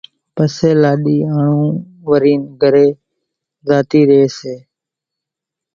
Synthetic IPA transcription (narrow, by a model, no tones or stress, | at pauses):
pəseːlaːɗiːaːɳũː | ʋəɾiːnɡʱəɾeː | zaːt̪iːɾɪeːseː